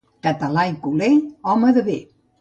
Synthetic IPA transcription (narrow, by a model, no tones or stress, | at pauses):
kət̪əlajkuleɔməðəβe